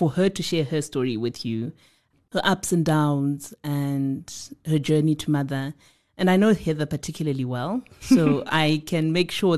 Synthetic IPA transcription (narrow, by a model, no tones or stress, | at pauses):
fə˞hə˞ɾʰɨʃɛɹhə˞stɔɹiwɪðjʉ | hə˞ʔʌpsɨ̃ndãʊ̃nzɨ̃nhəd͡ʒɜ˞nitʰəmʌðə˞ | ʔɨ̃naɪnoʊhɪðəpətʰɪkʰjl̩ˠəliwɛlˠsoʔaɪkʰɨ̃nmeɪkʃɔ